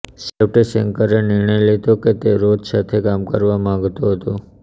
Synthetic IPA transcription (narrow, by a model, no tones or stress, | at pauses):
sefʈesəŋkəɾenɪɾɳəjlet̪oket̪eɾod͡ʒsat̪ʰekamkə̰ɾʋamãŋɡt̪oɦət̪o